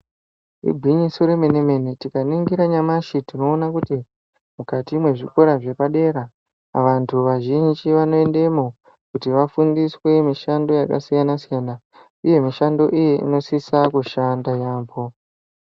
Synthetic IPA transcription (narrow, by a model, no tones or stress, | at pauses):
ḭbʱwiɲisoɾe̞meneme̞nitikaniŋɡiɾaɲamaʃitino̞ːnakuti | mukatimwe̞ʐiko̞ɾaʐe̞paɗe̞ɾa | ʋantʰuʋaʒiɲit͡ʃiʋano̞e̞nde̞mo | kutiʋafundiswe̞miʃando̞jaka̰sijanasijana | ije̞miʃando̞ʔijeḭno̞sisakuʃandajaːmbo̞